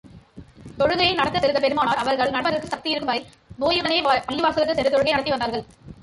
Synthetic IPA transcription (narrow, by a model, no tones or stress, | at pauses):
t̪ɔɻɯɣɐjɐɪnɐɽɐt̪ːɯsɛlɯɣɐp̬ɛɾɯmaːnaːɾɐʋɐɾɣɐɭnɐɽbɐɾɐɭɯkːɯsɐk̚t̪ijɪɾɯkːɯmbɐðɐɪ | noːjɯɽɐneːpɐɭːiʋaːɾsɐɣɯkːɯsɛɾɯt̪ɔɻɯɣɐjnɐɽɐt̪ːiʋɐnd̪aːɾɣɐɭ